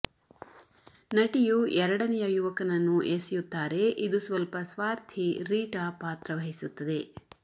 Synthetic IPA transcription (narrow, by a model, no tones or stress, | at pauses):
nɐʈijuɛɾɐɽɐnɛjɐjuʋɐkɐnɐnːuʔeːsijut̪ːaːɾe̞ʔid̪usʋɐlpɐsʋaːɾt̪ʰiɾiːʈapaːt̪ɾɐʋɐɦisut̪ːɐd̪e̞